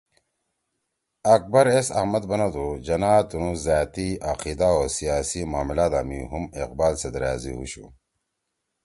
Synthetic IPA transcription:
ɐk̚bɐɾesɐ̰hmɐd̪bɐnad̪ud͡ʑɐnaːt̪unũzaːt̪iaqid̪aoːsijaːsimaːmilaːd̪aːmiɦumeq̚baːlsed̪ɾaːzḭhṵɕṵ

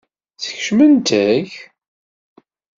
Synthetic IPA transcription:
θə̥çʃmənt̪æç

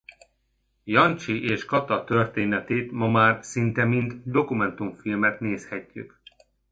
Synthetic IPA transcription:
jɒnt͡ʃiʔeːʃkɒt̪ɒt̪ørt̪eːnɛt̪eːt̪mɒmaːrsint̪ɛmind̪d̪o̞kumɛnt̪uɱfilmɛt̪neːshɛcːy̰k

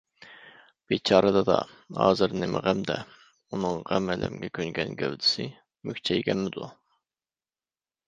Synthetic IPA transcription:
b̥et͡ʃʰɑːɾɨd̪ɑd̪ɑ | hɑːzɨɾnɪmʔɪʁæmd̪ɛ | unɨŋʁæmɛlʔɛmɡʲɛkʲʰøŋɡʲɛnɡʲɛwd̪ɪsɪ | mykʲt͡ʃʰɛjɡʲɛnmɪd̪u

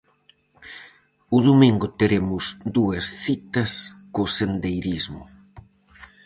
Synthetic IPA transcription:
ʊðumiŋɡʊt̪eɾemʊzd̪uɐsθit̪ɐskosend̪ejɾizmʊ̰

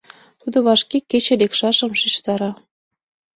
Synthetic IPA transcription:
t̪ud̪ŏβɑʃkeket͡ɕĕlekʃɑʃə̆mʃiʃt̪ɑɾɑ

